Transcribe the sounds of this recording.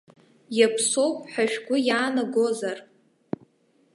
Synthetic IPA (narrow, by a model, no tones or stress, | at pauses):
japʰso̞wpʼħaʃᶣɡʷʊjaːnaɡo̞zar